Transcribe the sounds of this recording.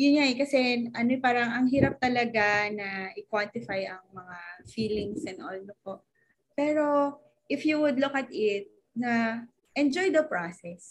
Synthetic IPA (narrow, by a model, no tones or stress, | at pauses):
jʊnɲaɛkɐsɛʔɐnopaːɾɐŋɐŋɦiːɾɐp̚t̪ɐlɐɡanɐʔɪkwant̪ɪfajʔɐŋmɐŋafiːlɪŋsʔɛnd̪ʔolnop̚o̞ʔ | pɛːɾo̞ | ʔɪfjuwʊd̪lʊkɐt̪ɪt̪̚ | nɐ | ʔɛnd͡ʒojd̪ɐpɹasɛs